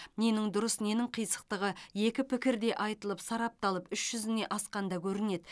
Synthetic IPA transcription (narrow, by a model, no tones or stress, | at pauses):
ne̞nɪŋd̪ʊɾəsne̞nɪŋqʰijsə̥q̚t̪əʁəje̞kʲɪpɪkʲɪɾd̪e̞ʔɑjt̪əlˠəpsɑɾɑp̚t̪ɑlˠəpʏʃʒ̥ʏzɪne̞ʔɑsqɑnd̪ɑkʲʰɵɾɪne̞d̪